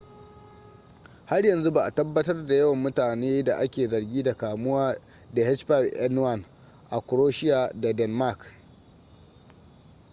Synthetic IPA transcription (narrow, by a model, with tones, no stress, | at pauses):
ha˦rjɐ˨nzu˦ba˨ʔa˨tɐ˦bːɐ˦tɐ˦rda˨jɐ˦wɐ˨mːʊ˦taː˨neː˦da˨ʔa˦kʲeː˨zɐ˨rɡʲiː˦da˨kaː˨mʊ˦waː˦ | da˨hɛ˦t͡ʃpa˦˨bʔɛ˦n˦wa˦˨n | ʔa˨kʷʊ˨ɾoː˦ʃɪ˦ja˨da˨dɛ˨nma˦˨k